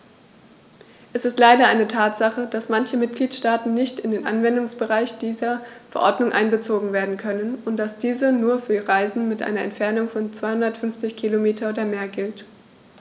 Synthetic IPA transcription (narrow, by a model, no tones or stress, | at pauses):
ʔɛsɪstlaɪɾɐʔaɪnətʰaːtz̥aχəd̥asmançəmɪt̚ɡ̥liːtʃtaːtn̩nɪçtɪndeːnʔa̰nvɛndʊŋsb̥əʁaɪçd̥iːzɐfɛɐʔɔɐdnʊŋʔa̰ɪnbət͡soːɡŋ̩veːɐdn̩kʰœnənʊntd̥asd̥iːzənuːɐfyːɐiʁaɪzn̩mɪtʔa̰ɪnɐʔɛ̰ntfɛɐnʊŋfɔnt͡sv̥aɪhʊndɐtfʏnft͡sɪçkʰilomeːtʰɐoːdɐmeːɐɡɪlt